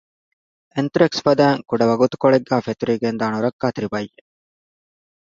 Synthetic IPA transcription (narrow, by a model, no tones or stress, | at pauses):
ent̪ɾeksfɐd̪æːŋkuɖɐʋɐɡut̪u̥koɭeɡːæːfet̪uɾiːɡend̪aːnuɾɐkːaːt̪iɾibɐjːe